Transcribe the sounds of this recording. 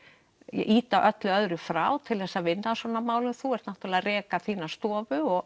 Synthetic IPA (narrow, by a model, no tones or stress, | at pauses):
jɛ̰ʔiːt̪aʔœt̪lʏœðɾʏfɾaːwt̪ʰɪlθɛhsːavɪnːasvɔːnamaːwlʏmθuɛr̥t̪naht̪ɾlɛarɛːkaθiːnast̪ɔːvʏɔɣ